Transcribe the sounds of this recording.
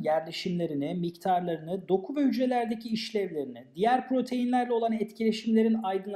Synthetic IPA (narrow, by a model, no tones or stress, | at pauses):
jæɾlʲeʃimlʲe̞ɾinimict̪ʰaɾlˠaɾɯnɯd̪o̞kʰubɛjyd͡ʒe̞lʲæɾd̪ecʰiːʃlʲæɾlʲe̞ɾinid̪ijæɾpɾo̞t̪ʰe̞jinlʲæɾlʲɛo̞lˠanɛt̪cʰilʲe̞ʃimlʲe̞ɾinajd̪ɯn